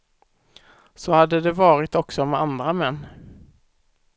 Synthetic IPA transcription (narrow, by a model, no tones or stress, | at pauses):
sɔhad̪ːəd̪ɛvɑːɾɪt̪ɔksɔmɛand̪ɾamɛnː